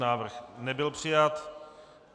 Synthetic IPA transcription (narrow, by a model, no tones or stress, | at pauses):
naːvr̩xnɛbɪlpr̥ɪjat̪